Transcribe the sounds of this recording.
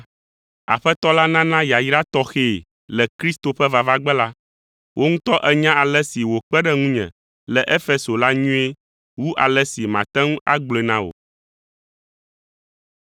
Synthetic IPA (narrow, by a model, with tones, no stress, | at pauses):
a̰˨ɸɛ˦t̪ɔ˦la˦nã˦nã˦ja˨jɾa˦t̪ɔ˦xe˦˨ | lɛ˨kɾi˦st̪o˨ɸɛ˦va˨va˦ɡ͡bɛ˦la˦ | wʔo˦ŋũ˦t̪ɔ˦ʔɛ˦ɲã˦ʔa˨lɛ˦si˨wo˨k͡pɛ˦ɖɛ˦ŋũ˦ɲɛ̰̃˨ | lɛ˨ʔe˦fe˦so˨la˦ɲũ˦e˦ | wu˦ʔa̰˨lɛ˦si˨mã̰˨t̪ɛ̃˦ŋũ˦a˦ɡ͡ble˨nã˦wo̰˨